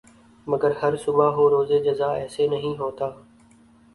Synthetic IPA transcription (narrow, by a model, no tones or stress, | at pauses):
mɐɡəɾhəɾsʊbʱaɦoːɾoːzeːd͡ʒɐzaːɛːseːnɐɦĩːɦoːt̪aː